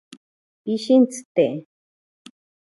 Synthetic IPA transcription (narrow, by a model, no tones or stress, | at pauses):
piʃint͡sɨ̥t̪e